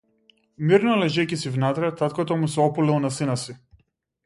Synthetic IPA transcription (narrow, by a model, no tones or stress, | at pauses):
miɾnɔlɛʒɛcisivnat̪ɾɛt̪at̪̚kɔt̪ɔmusɛɔpulilˠnasinasi